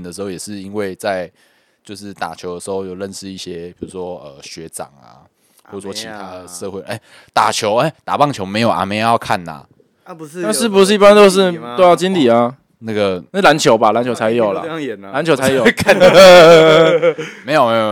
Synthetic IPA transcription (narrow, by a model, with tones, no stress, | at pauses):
nd̪ə˩ʂɻ̩˧˥xo˥˩ʊjɛ˨˩ʂɻ̩˥˨i˦nwe˥˩ɪt͡sa˥˩ɪ | t͡ɕjo˥˧ʊʂɻ̩˥˩t̪a̰˨˩t͡ɕʰjo˧˥ʊd̪ə˩ʂɻ̩˧˥ho˥˧ʊjo˨˩ʊlə˥˨nʂɻ̩˥˧i˥˩ɕjɛ˦pʰi˨˩u˧˦˥ʂwɔ˦ə˩ɕɥɛ˧˦ʈ͡ʂɑ̰˨˩ŋa̰˩ | wɔ˥˩˨ə˨˩swɔ˥˧t͡ɕʰi˧˦t̪ʰa˦ʂɤ˥˧xwe˥˩ʔe˥˩ɪ | t̪a̰˨˩t͡ɕʰjo˧˦ʊe˥˦t̪a̰˨˩pɑ˥˩ŋt͡ɕʰjo˧˥ʊme˧ɪjo˨˩ʊʔa̰˨me˧˥jo˨˩˦jɑ˥˧ʊkʰa˥˩na̰˨˩ | na˥˧ʂɻ̩˥˩p̬u˧˥ʂɻ̩˥˩i˥pa˦nt̪o˥ʊʂ̬ɻ̩˥˧˨t̪o˥˦jɑ˥˩ʊt͡ɕi˦nli˨˩a˨˩ | na˥˩ɡə˩˥˨la˧˦nt͡ɕʰjo˨˧ʊba˨la˧˦nt͡ɕʰo˧ʊt͡sʰa˧˦ɪjo˨˩ʊla̰˨nla˧˦nt͡ɕʰo˧ʊt͡sʰa˧˦ɪjo˨˥kʰa˥˨ | me˧˥ɪjo˨me˧˥ɪjo˨˩